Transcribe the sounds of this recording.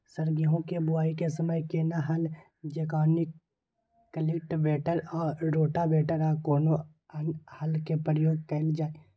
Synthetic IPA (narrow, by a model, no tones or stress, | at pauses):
səɾɡiɦõkebʊaːikesəməjkenaɦɐl | d͡ʒekaːnɪk | kəlɪkʈbeːʈəɾɔːɾːoːʈabeːʈəɾakɔːno | ənhəlkepɾjoːɡ̚kəld͡ʒaːe